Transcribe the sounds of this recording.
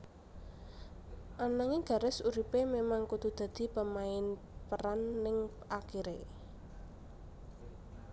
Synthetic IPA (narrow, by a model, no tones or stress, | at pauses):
ʔanaŋeɡ̥ä̤ɾɪsuɾipememaŋkud̪̥ṳd̪̥ä̤d̪̥i̤pəmaɪn | pəɾanːɪŋ | ʔakiɾe